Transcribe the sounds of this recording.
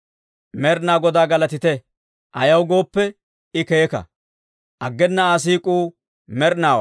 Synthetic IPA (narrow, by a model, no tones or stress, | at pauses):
mɛɾnaːɡɔd̪aːɡɐlɐt̪ɪt̪ɛ | ʔɐjɐwɡo̞ːpːɛ | ɪkeːkɐ̰ | ʔɐɡːɛnːɐas̬iːkʼuː | mɛɾnaːwɐ̰